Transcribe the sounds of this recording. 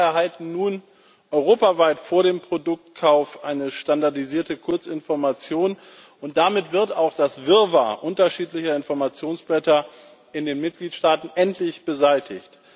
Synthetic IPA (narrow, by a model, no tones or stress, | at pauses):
ɛɐɦaltn̩nuːn | ʔɔʏʁoːpavaɪtfoːɐɾeːmpʁ̥odʊk̚tkʰaʊfʔaɪnəʃtandaɐdiziːɐtəkʰʊɐt͡sɪnfɔɐmat͡sjoːn | ʊnt̚d̥amɪtv̥ɪɐtaʊxd̥asv̥ɪɐvaʔʊntɐʃiːtlɪçɐɪnfɔɐmat͡sjoːnsb̥lɛtɐ | ʔɪndeːnmɪt̚ɡ̥liːtʃtaːtn̩ʔɛntʰlɪçb̥əzaɪtʰɪ̰çt